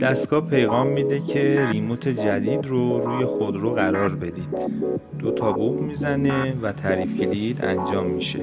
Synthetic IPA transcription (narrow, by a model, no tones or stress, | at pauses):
d̪̥æst̪ɡɒːpʰe̞jɣɒːmːiːd̪e̞cʰe̞ɾimot̪ʰe̞d͡ʒæd̪iːd̪roɾuːje̞xod̪ɾoɣæɾɒːɾbe̞d̪id̪̥ː | ot̪ʰɒːbubmiːzæne̞væt̪ʰæɾifɟelid̪æ̰nd͡ʒɒːmːiʃe̞̰